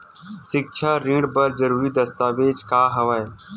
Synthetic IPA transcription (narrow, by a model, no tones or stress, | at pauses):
sɪk̚t͡ʃʰaːɾĩːɽbəɾd͡ʒəɾuːɾiːd̪əst̪aːʋeːd͡ʒkaːɦəʋaːe